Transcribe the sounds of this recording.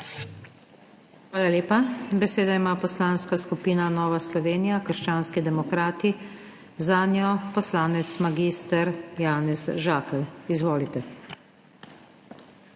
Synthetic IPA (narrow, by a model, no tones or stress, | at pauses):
xʋaːlaleːpabɛseːd̪aimaːpɔslaːnskaskupiːnanɔːʋaslɔʋeːnijakəɾʃt͡ʃaːnskid̪ɛmɔkɾaːt̪i | zanjɔpɔslaːnɛt̪smaɡiːst̪əɾjaːnɛzʒaːkɛlizʋoːlit̪ɛ